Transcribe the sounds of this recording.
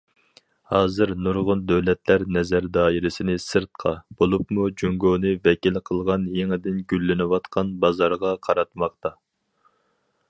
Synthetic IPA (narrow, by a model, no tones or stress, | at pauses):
hɑːzɨɾnuɾʁʊnd̪øwlɛt̪læɾnɛzæɾd̪ɑːiɾɪsɪnɪsɨɾt̪̚qʰɑb̥olˠupmud͡ʒyŋɡoːnɨvɛkʲilqʰəlˠʁɑnjeŋɪd̪ɪnɡʲylːɪnɪwɑt̪qʰɑnbɑzɑɾʁɑqʰɑɾɑt̪mɑqt̪ɑ